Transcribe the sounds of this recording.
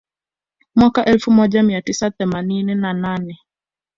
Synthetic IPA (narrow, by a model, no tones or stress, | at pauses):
mwakaʔɛlfumɔd͡ʒamiatisaθɛmaninɛnananɛ